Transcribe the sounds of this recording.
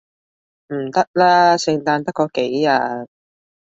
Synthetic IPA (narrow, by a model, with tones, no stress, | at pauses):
m̩˨˩t̪ɐ˥k̚laː˥sɪ˧ŋt̪aː˧nt̪ɐ˥kːɔː˧ke˨˥jaː˧